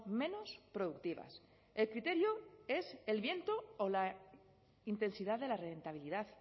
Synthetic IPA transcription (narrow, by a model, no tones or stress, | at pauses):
mẽ̞nospɾo̞ðuk̚t̪iβa̰s | e̞lkɾit̪e̞ɾjoe̞se̞lβje̞nt̪oːla | int̪e̞nsiðaðe̞lare̞nt̪aβ̞iliðað